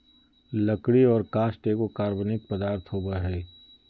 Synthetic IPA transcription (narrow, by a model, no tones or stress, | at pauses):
lɐkɽiɔːɾkaːsʈeːkokaːɾbənɪk̚pəd̪aːɾt̪ʰɦoːbəɦɛː